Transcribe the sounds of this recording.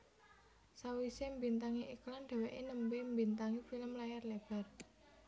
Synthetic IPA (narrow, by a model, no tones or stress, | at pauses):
sawisembint̪aŋiʔiklanɖ̪̥ɛ̤weʔenəmbembint̪aŋifiləmlajarleb̥a̤r